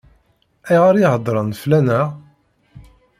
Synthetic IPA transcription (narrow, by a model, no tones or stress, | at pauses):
æjʁaɾjihəd̪ˤɾˤɑnflænæ